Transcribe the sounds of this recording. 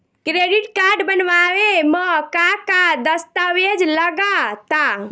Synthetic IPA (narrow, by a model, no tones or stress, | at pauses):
kɾeɖiʈkaɾɖbənʋaweməkakad̪əst̪awed͡ʒləɡat̪a